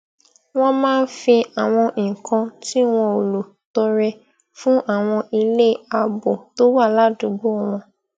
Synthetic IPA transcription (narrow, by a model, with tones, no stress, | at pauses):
w̃ɔ̃˦mãː˦˧n̩˦fi˧a˨w̃ɔ̃˧ĩ˨kã˧ti˦w̃ɔ̃˧o˨lo˨ | tɔ˧ɾɛ˧ | fũ˦ʔa˦˨w̃ɔ̃˧ʔi˧le˦a˧bɔ˨to˨˦wa˦˨la˦dũ˨˧ɡ͡bo˦˨w̃ɔ̃˧